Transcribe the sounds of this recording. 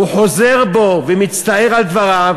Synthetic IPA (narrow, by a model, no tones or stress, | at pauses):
uħozeʁbovɛmit͡st̪aeʁald̪vaʁav